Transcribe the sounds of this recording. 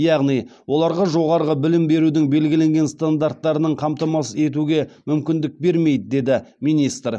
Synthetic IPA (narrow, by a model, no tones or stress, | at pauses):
jɑʁnijwʔo̞lˠɑɾʁɑʒo̞ʁɑɾəʁəbɪlɪmbe̞ɾud̪ɪŋbe̞lɡʲɪle̞ŋɡʲe̞nst̪and̪aɾt̪ːɑɾənəɴqʰɑmt̪ɑmɑsəe̞t̪̬uɡʲe̞mʏmkʲɪnd̪ɪk̚be̞ɾme̞jd̪ɪd̪e̞d̪ɪmijnist̪r